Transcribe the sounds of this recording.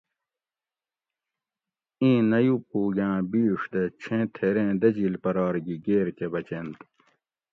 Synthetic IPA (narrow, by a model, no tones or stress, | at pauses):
ĩːnɐjupuːɡãːbiːʂd̪et͡ɕʰẽt̪ʰeɾẽːd̪ɐd͡ʑiːlpɐɾɑːɾɡiɡeːɾkebɐt͡ɕent̪